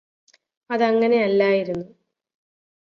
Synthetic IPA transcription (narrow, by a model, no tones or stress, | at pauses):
ɐðɐŋːɐne̞ɐlːaːjiɾunːu